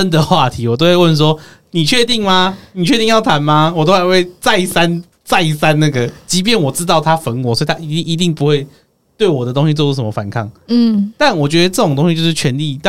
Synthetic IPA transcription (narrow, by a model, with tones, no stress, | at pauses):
ə˦nd̪ə˨xwa˥˩t̪ʰi˨˦˥wɔ˨˩t̪o˥ʊxwe˥˧ɪwə˥˩ns̬wɔ˥ni˨˩t͡ɕʰɥɛ˥˧t̪i˥˩ŋma˨˦ni˨˩t͡ɕʰɥɛ˥˧t̪i˥˧ŋjɑ˥˩ʊt̪ʰa˧˥nma˧wɔ˨˩o˥xa˨˩ɪwe˥˧ɪt͡sa˥˧ɪsa˦n | t͡sa˥˩ɪ˨˩sa˦nna˥˩ɡə˩t͡ɕi˧˥p̬jɛ˥˩nwɔ˨˩ʈ͡ʂɻ̩˥t̪ɑ˥˩ʊt̪ʰa˦˥fə˧˥nkwɔ˨˥sɔ˧˥i˨t̪ʰa˥i˧˥t̪i˥˩ŋi˧˥t̪i˥˩ŋpu˧˥xwe˥˩ɪ | t̪we˥˩ɪwɔ˨˩d̪ə˩˦t̪o˥ŋɕi˧t͡swɔ˥˧˩u˧˥˩ʂə˧˩˦mə˧fa˨˩˦nkʰa˥˩ŋ̩˥˩t̪a˥˨˩nwɔ˨˩t͡ɕɥɛ˧˥d̪ə˧ʈ͡ʂɤ˥˩o˨˩ŋt̪o˥ŋɕi˧˥jo˥˧ʊʂ̩ʰ˥˩ɥɛ˧˥nli˥˨t̪a˥